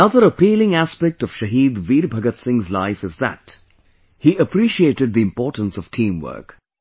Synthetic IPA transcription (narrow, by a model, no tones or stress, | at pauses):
ənʌðəɾəpiːlɪ̃ŋæspɛk̚ʈɔv̥ʃəɦiːd̪ʋiːɾbʱʌɡət̪sɪ̃ŋzlaɪfɨzðə̰t | hiʔəpʰɾiːʃieːtɨd̪̚ðiɨ̃mpɔːʈə̃n̩sɔv̥tʰĩːmwɜ̰˞k